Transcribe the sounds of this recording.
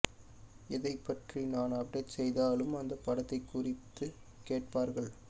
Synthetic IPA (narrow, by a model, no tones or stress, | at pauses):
ɪðɐɪpːɐʈrinaːnɐbɖɐʈsɛjðaːlɯmɐnd̪ɐpːɐɽɐt̪ːɐɪkːʊrɪt̪ːɯ | keːʈ̚paːɾɣɐɭ